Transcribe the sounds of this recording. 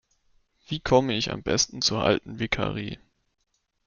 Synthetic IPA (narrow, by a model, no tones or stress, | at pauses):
v̥iːkʰɔməɪça̰mbɛ̰stn̩t͡suːɐʔa̰ltn̩vɪkʰa̰ːʁḭː